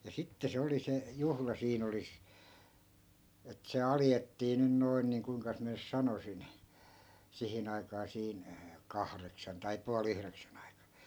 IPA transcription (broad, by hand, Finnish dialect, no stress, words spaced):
jɑ sitːe se oli se juhlɑ siːn oli et se ɑljetːiː nyn noin niːŋ kuiŋkɑs miæ nys sɑnosin sihin ɑikɑː siːn kɑhreksɑn tɑi puɑl yhreksæn ɑikɑ